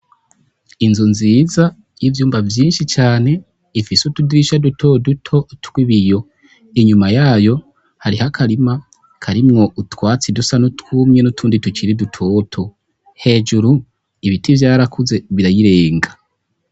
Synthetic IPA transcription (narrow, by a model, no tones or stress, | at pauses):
inzunziːza | jivjuːmbavjiːnʃit͡ʃaːne̞ | ifisutudiɾiʃadutʰo̞dutʰo̞twiβijo̞ | iɲumajaːjo̞ | haɾihakʰaɾima | kʰaɾimŋo̞ʔutwaːt͡sidusanutwumɲe̞nutʰuːnditut͡ʃiɾidutʰo̞ːtʰo̞ | he̞ːd͡ʒuɾu | iβitivjaːɾakuze̞βiɾajiɾe̞ːŋɡa